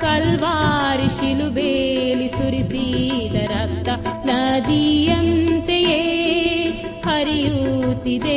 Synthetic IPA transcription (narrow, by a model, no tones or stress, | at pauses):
kɐlʋaːɾiʃilubeːlisuɾisiːd̪ɐɾɐk̚t̪ɐnaːd̪iːjɐnt̪ejeː | hɐɾijuːt̪id̪e